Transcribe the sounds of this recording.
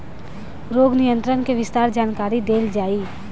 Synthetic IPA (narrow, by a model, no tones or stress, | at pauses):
ɾoːɡnɪjə̃nt̪ɾənkeʋɪst̪aːɾd͡ʒaːnkaːɾid̪eːld͡ʒaːi